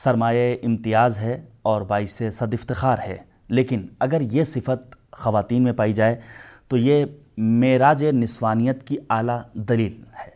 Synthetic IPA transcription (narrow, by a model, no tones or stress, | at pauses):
sɐɾmaːjeʔɪ̃mt̪ɪjaːzɦɛɔːɾbaːɪsesɐd̪ɪft̪ɪxaːɾɦɛ̰ː | leːkɪnɐɡəɾjesɪfət̪̚xɐʋaːt̪iːnmẽpaːid͡ʒaːet̪oje | meːɾaːd͡ʒenɪswaːnijət̪kiaːlad̪ɐliːlhɛː